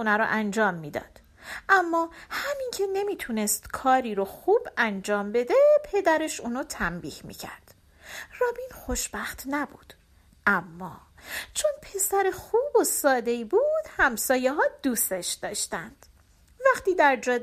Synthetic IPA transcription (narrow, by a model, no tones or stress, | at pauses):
unæɾɔ̰ʔænd͡ʒɒːmːiːd̪ɒ̰ːd̪̥ | ʔæmːɒːhæmincʰe̞ne̞miːt̪ʰunest̪kʰɒːɾiːɾoxuːbænd͡ʒɒːmbe̞d̪e̞pʰe̞d̪æɾe̞ʃuːnut̪ʰæmbḭːhmḭcʰæ̰ɾd̪̥ | rɒːbiːnxo̞ʃb̥æxt̪ʰnæbṵːd̪̥ | ʔæmːɒːt͡ʃʰonpʰe̞sæɾexuːbosɒːd̪e̞ibud̪̥hæmsɒːjeɦɒːd̪̥uːst̪eʃd̪ɒːʃt̪ænd̪̥ | væχt̪iːd̪æɾd͡ʒɒːd̪